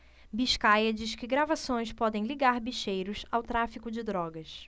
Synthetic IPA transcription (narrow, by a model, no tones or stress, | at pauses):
biʃkajɐd͡ʒiʃkɪɡɾavasõj̃spɔd̪ẽj̃liɡaɾbiʃejɾʊsawt̪ɾafikʊd͡ʒɪd̪ɾɔɡɐs